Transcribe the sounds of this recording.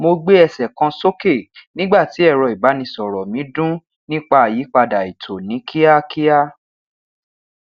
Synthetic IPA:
mo˧ɡ͡be˦ɛ˧˨sɛ˨kã˧so˦ke˦˨nĩ˦ɡ͡ba˦˨ti˨˦ɛ˦˨ɾɔ˧i˨ba˨˦nĩ˧sɔ˨ɾɔ˨mĩ˨˦dũ˦ | nĩ˦k͡pa˧a˨ji˨˦k͡pa˧da˨i˨tʰo˨nĩ˨˦kʰi˦a˦ki˦a˦

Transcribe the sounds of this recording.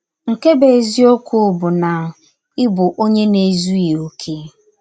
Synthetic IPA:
ŋ̩˨ke˦be˨zi˦o˦kʰʷu˦bʊ˨na˨ | ɪ˦bʊ˨ʔo˦ɲe˦ne˨zu˦je˨o˦kʰe˦

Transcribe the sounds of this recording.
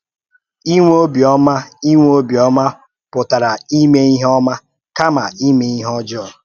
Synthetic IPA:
i˦ŋʷ˦o˦bjɔ˦ma˦i˦ŋʷ˦o˦bjɔ˦ma˦ | pʊ˨ta˨ɾa˨i˦me˦i˦ɦɔ˦ma˦ | ka˦ma˨i˦me˦i˦ɦɔ˦d͡ʒɔ˦ɔ˨

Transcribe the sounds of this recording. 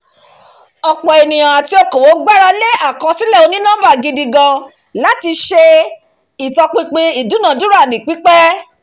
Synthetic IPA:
ɔ˧k͡pɔ˨e˨nĩ˨jã˨a˨ti˨˦o˧ko˨wo˨˦ɡ͡ba˦ɾa˧le˦a˦˨kã˧sĩ˦lɛ˦˨o˧˦nĩ˦nã˦ba˦˨ɡĩ˧di˧ɡã˧ | la˦ti˧ʃe˧ | i˨tɔ˧k͡pĩ˧k͡pĩ˧i˨dũ˨˦nã˨du˦ɾa˦˨nĩ˨k͡pi˨˦k͡pɛ˦

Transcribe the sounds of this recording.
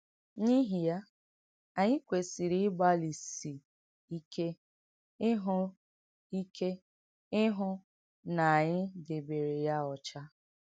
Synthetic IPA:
ɲi˦ɦi˨ja˦ | a˨ɲɪ˦kʷe˨si˨ɾi˦ɪ˦ba˦li˨si˨ | i˦kʰe˦ | ɪ˦ɦʊ˦ | i˦kʰe˦ | ɪ˦ɦʊ˦ | na˨a˨ɲɪ˦de˨be˨ɾe˨ja˦ɔ˨t͡ʃa˦

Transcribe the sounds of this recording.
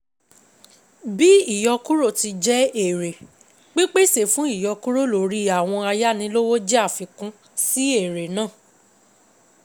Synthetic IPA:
bi˦i˦˨jɔ˧ku˦ɾo˦˨ti˧d͡ʒɛ˦e˨ɾe˨ | ɡ͡bi˦k͡pe˦se˨fũ˦i˦˨jɔ˧ku˦ɾo˦˨lo˨ɾi˦a˨w̃ɔ̃˧a˧ja˦nĩ˧˦lo˦wo˦d͡ʒɛ˦a˦˨fi˧kũ˦ | si˦e˦˨ɾe˨nãː˦˨

